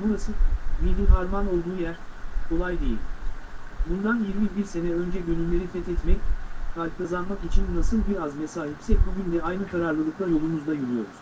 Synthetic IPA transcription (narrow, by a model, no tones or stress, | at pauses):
buɾasɯmilʲiɦaɾmano̞lˠd̪uːjæɾkʰo̞lˠajd̪e̞jḭlʲ | bund̪anjiɾmibiɾse̞nɛø̞nd͡ʒɛɟønymʲlʲe̞ɾifɛt̪ɛt̪mɛckʰalʲkʰazanmakit͡ʃʰinnasɯlˠbiɾazme̞saːɦipsɛbuɡʲynd̪ɛajnɯkʰaɾaɾlˠɯlˠɯklˠajo̞lˠumuzd̪ajulˠujo̞ɾuz̥